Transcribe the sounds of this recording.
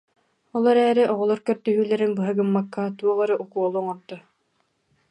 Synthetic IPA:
ɔlˠɔɾɛːɾiʔɔʁɔlˠɔɾkœɾt̪œɦyːlɛɾinbɯɦɯɡɯmːakːat̪uɔʁɯɾɯʔukuɔlˠuŋɔɾd̪a

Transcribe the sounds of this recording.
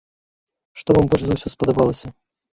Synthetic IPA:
ʂt̪ɔvambɔlʂzɐwsʲɔspɐd̪ɐbalˠɐsʲɐ

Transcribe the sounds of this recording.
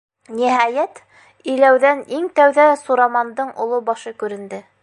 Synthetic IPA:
niɦæjæt̪ | ĭlæwðæniŋt̪æwðæsuɾɑmɑnd̪ɤɴʔŏlˠobɑʃɤkʉɾɘ̆nd̪ɘ

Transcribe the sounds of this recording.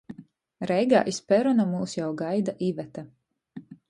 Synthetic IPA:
ɾɛjɡa̰ːʔispʲɛɾɔnamuːsjawɡajd̪aʔivɛt̪a

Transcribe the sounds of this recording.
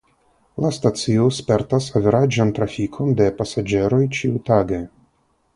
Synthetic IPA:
lastat͡siospe̞ɾtasaveɾad͡ʒant̪ɾafikʰo̞nde̞pasad͡ʒe̞ɾo̞jt͡ʃiutaɡe

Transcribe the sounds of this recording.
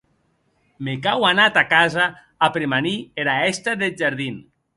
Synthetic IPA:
mekawanat̪akazaː | pɾemanieɾaɛst̪aðed͡ʒaɾðin

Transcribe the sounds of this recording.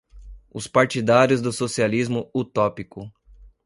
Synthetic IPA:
ʊspaɾt͡ʃid̪aɾjʊzd̪ʊsosializmʊut̪ɔpikʊ

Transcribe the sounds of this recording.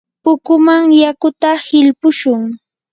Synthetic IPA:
pʊkʊmaŋjakʊt̪ahɪʎpʊʃʊŋ

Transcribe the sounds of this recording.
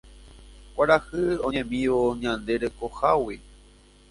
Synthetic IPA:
kʷaɾahɨõɲẽmĩʋoɲãnd̪e̞ɾekohawi

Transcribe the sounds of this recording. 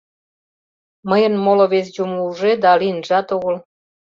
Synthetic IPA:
məjə̆nmoloβes̬d͡ʑumuuʒed̪ɑlinʒɑt̪oɣəl

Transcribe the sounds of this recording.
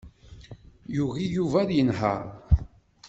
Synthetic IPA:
juɣijuvæɾjənɦə̰ʁ

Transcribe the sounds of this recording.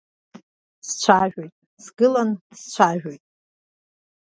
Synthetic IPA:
st͡ɕʷʰaʒᶣojtʼ | sɡɨlanst͡ɕʷʰaʒᶣojtʼ

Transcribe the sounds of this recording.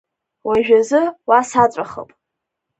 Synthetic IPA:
waʒᶣazɨwasat͡sʷʼaχə̰pʼ

